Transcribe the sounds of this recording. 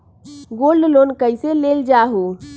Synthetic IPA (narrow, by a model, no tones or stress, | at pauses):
ɡolɖlonkəɪseleld͡ʒaɦu